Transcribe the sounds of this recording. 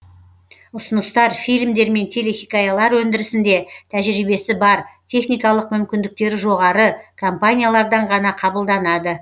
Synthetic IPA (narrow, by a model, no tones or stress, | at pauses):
ʊsʊnəst̪ɑɾfijlmd̪e̞ɾme̞nt̪ʰe̞le̞xʲikajalˠɑɾwɵnd̪ɪɾɪsɪnd̪e̞t̪ʰæʒɪɾibe̞sɪbɑɾt̪ʲʰe̞χnijkɑlˠəqmʏmkʲɪnd̪ɪk̚t̪e̞ɾɪʒo̞ʁɑɾəkʰompanʲijalˠɑɾd̪ɑɴʁɑnɑqʰɑbəlˠd̪ɑnɑd̪ə